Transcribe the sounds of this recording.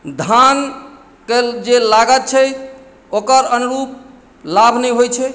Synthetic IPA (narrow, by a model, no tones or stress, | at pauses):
d̪ʱan | ked͡ʒelaɡət̪̚t͡ʃʰɛ | okəɾənuɾup̚ | labʱnɛjɦojt͡ʃʰɛ